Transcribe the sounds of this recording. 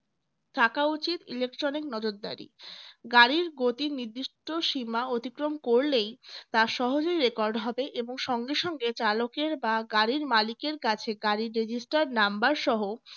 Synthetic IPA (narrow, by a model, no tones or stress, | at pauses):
t̪ʰakaut͡ɕit̪ilek̚ʈɾoniknɔd͡ʑoɾd̪a̰ɾḭɡaɾiɾɡot̪iniɾd̪ːiʃʈʰoʃimaot̪ikɾomkoɾlejt̪aʃɔɦod͡ʑojɾekɔɾɖɦɔbeʔeboŋʃɔŋɡeʃɔŋɡet͡ɕalokeɾbaɡaɾiɾmalikeɾkat͡ɕʰeɡaɾiɾed͡ʑisʈaɾnambaɾʃɔɦo